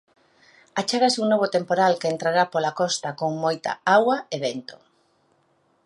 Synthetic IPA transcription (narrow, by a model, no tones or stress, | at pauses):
at͡ʃaɣasuŋnoβ̞ot̪empoɾalkeent̪ɾaɾapolakɔst̪akoŋmojt̪a̰awɐeβent̪o̥